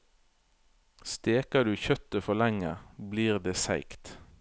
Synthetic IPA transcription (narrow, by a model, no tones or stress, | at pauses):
st̪eːkɑd̪ʉːçœt̪əfɔlɛŋəbliːʁd̪eːsæ̰ɪkt̪